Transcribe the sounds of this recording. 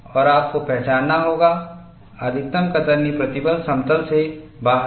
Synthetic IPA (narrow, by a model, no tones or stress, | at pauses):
ɔːɾaːp̚kopɛɦt͡ʃaːnːaɦoːɡa | əd̪ʱɪt̪ːəmkɐt̪əɾnipɾɐt̪ɪbəlsɐ̃mt̪əlsebaː